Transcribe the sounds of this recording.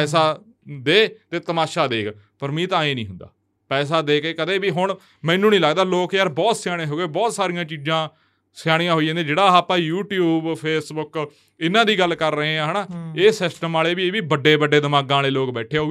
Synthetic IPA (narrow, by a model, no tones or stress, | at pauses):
ɛːs̬aː | d̪eːt̪eːt̪əmaːʃaːd̪eːɡpəɾmĩːt̪ãːẽːnĩːɦʊnd̪a̰ː | pɛːs̬aːd̪eːkeːkəd̪eːbiːɦʊɳ | mɛ̃ːnũːnĩːləːɡd̪aːloːkjəɾbɔːt̪sɪjaːɽ̃eːɦoːɡeːbɔːt̪saːɾijãːt͡ʃiːzãː | sɪjaːɽ̃ĩjãːɦoːiãːd̪eːd͡ʒeːɽaːaːpãːjuːʈjuːbpʰeːsbʊk | ɪnãːd̪iːɡəlkəɾːəɦẽːãːɦənaːeːsɪsʈəmaːleːbiːeːbiːbəɖːeːbəɖeːd̪əmaːɡãːleːloːkbɛːʈʰeːɦoː